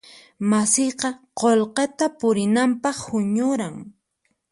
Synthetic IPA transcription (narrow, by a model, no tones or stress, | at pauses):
masɪjqɑqolqet̪apʊɾɪnampɑχhʊɲʊɾaŋ